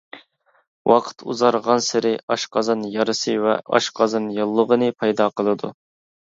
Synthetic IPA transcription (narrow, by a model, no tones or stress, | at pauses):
wʔɑqʰə̥t̪ʰṵzɑɾʁɑnsɪɾɪɑʃqʰɑzɑnjɑɾɨsɨwɛ̰ʔɑ̰ʃqʰɑzɑnjɑlˠːəʁənɨpʰɑjd̪ɑːqʰəlˠɨd̪u